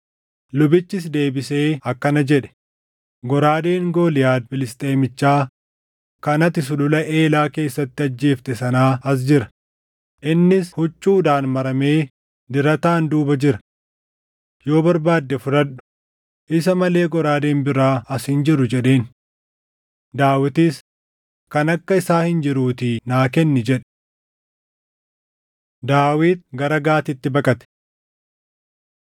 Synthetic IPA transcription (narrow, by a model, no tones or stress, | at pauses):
lʊbɪt͡ʃːɪsd̪e̞ːbɪse̞ːɐkːɐnɐd͡ʒɛᶑɛ̥ | ɡɔɾaːd̪e̞ːŋɡo̞ːlɪjaːd̪̚fɪlɪst̪ʼe̞ːmɪt͡ʃːaː | kɐnɐt̪ɪsʊlʊlɐʔe̞ːlaːke̞ːsːɐt̪ːɪɐd͡ʒːeːft̪ɛsɐnaːɐs̬d͡ʒɪɾɐ̥ | ʔɪnːɪshʊt͡ʃʼːuːd̪aːnmɐɾɐme̞ː | d̪ɪɾɐt̪aːnd̪uːbɐd͡ʒɪɾɐ̥ | jo̞ːbɐɾbaːd̪ːɛfʊᶑɐᶑʊ̥ | ʔɪs̬ɐmɐle̞ːɡɔɾaːd̪eːmbɪɾaːɐshɪnd͡ʒɪɾʊd͡ʒɛɗe̞ːn | d̪aːwɪt̪iːs | kɐnɐkːɐɪsaːhɪnd͡ʒɪɾuːt̪ɪnaːkɛnːɪd͡ʒɛᶑ̥ | d̪aːwiːt̪̚ɡɐɾɐɡaːt̪ɪt̪ːɪbɐkʼɐt̪ɛ̥